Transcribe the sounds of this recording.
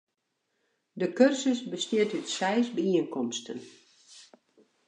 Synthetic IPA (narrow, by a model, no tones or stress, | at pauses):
dəkørsəsbəstjiətytsɛjsbəiənkɔmstʰən